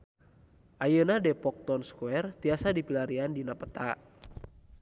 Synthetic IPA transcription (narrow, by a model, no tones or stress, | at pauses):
ʔajənadɛpɔk̚t̪ɔnskuɛrt̪iasadipilaɾiandinapət̪aʔ